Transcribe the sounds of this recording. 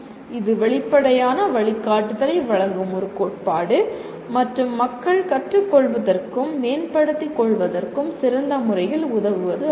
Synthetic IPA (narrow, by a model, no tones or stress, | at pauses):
ɪðɯʋɛɭɪpːɐɽɐjaːnɐʋɐɭɪkːaːʈːɯðɐɾɐɪʋɐɻɐŋɡɯmɔɾɯkːoːʈ̚paːɽɯ | mɐʈrɯmːɐkːɐɭkɐʈrɯkːɔɭʋɐðɐrkɯmːeːnpɐɽɯt̪ːikːɔɭʋɐðɐrkɯmsɪɾɐnd̪ɐmʊɾɐjɪlʊðɐʋɯʋɐðɯ